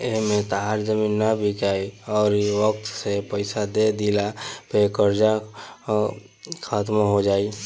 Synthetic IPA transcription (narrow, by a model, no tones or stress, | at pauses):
ɪɦmẽt̪aɦaɾd͡ʒəminːabʱikaːiɔːɾʋək̚t̪sepəɪsad̪ed̪ilapekəɾd͡ʒa | kʰaːt̪maɦod͡ʒaːi